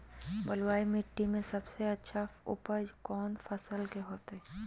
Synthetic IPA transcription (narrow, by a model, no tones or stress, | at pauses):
bəlwaːimɪʈːimẽsɐbseɐtːʃʰaʊ̰pəd͡ʒkɔːnfʰəsəlkeɦoːt̪ɦɛː